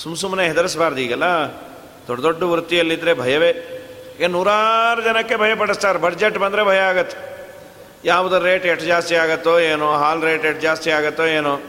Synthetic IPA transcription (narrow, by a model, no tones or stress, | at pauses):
sumsumneɦɛd̪ɐɾɐsbaːɾɐd̪iːɡɐlːɐ | d̪̥ɔɖːɐd̪oɖːɐʋɾut̪ːijɐlːid̪ɐɾebʱɐjɐʋeːɡenuːɾaːɾud͡ʒɐnɐkːebʱɐjɐp̬ɐɽɐst̪aːɾbɐɖd͡ʒeʈbɐnd̪ɐɾebʱɐjɐaːɡɐt̪ːe̥ | jaːʋud̪uɾeːʈeʈd͡ʒaːst̪iaːɡɐt̪ːoeːnuɦaːlɾeːʈeʈ̚d͡ʒaːst̪iaːɡɐt̪ːoeːnu